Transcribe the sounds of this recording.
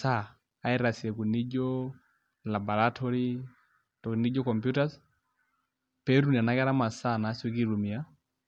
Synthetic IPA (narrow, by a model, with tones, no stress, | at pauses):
sa˦ | a˦ɛɾa˨siɛ˨ku˨ni˦d͡ʒɔ | la˨bɔ˨ɾatʰɔɾi˦ | tɔ˨kni˦d͡ʒɔ˦kɔmpju˦tas | pɛɾu˦ni˨a˨na˦kɛ˦ɾa˦ma˨sa˦˨na˨˦sɔ˦ki˦ɾu˨mi˨a˦